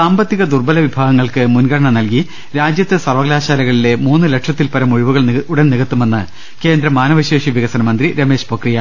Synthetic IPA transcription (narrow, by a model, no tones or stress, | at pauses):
saːmbɐt̪ːiɣɐd̪urbɐlɐʋibʱaːɡɐŋːɐɭkɨmunɡɐɽɐɳɐnɐlki | ɾaːd͡ʑjɐt̪ːesɐrʋɐɡlaːɕaːlɐɣɐɭile̞muːnːɨleʈʂɐt̪ːilpɐɾɐmuɻiʋuɣɐɭuɽɐnniɣɐt̪ːume̞nːɨ | ke̞ːnd̪ɾɐmaːnɐʋɐɕeːʂiʋiɣɐsɐnɐmɐnd̪riɾɐme̞ːʂpokrijɐ